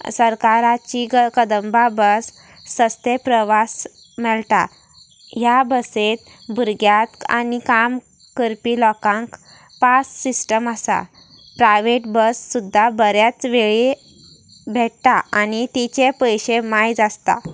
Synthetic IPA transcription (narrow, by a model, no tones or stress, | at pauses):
səɾkaɾat͡ɕiɡəkəd̪əmbabəsː | əst̪epɾəʋas | mɛɭt̪a̰ | ɦjabəset̪ | bʱuɾɡjat̪a̰nikam | kəɾpilɔkãŋk | pasːisʈəməsa̰ | pɾajʋeʈbəsːud̪ʱːabəɾjat͡sʋeɭi | bʱɛʈt̪aanit̪it͡ɕepəjɕemajd͡zast̪a̰